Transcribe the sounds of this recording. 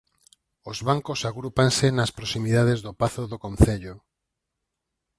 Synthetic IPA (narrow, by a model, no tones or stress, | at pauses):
ozβaŋkosaɣɾupansenaspɾosimiðaðezðopaθoðokõnθeʎo